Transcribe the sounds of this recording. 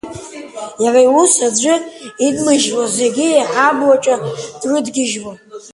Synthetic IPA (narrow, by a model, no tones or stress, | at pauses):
jaraiwusad͡ʒʷʊidmɨʒwazeɡʲɪjaħablat͡ʃʷʼad̥rɨdɡʲɪʒwa